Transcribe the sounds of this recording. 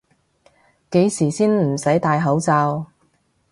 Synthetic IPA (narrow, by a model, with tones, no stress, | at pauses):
ke˨˥jsiː˨˩siː˥nm̩˨˩sɐ˨˥jt̪aː˧jɦɐ˨˥wt͡saː˧w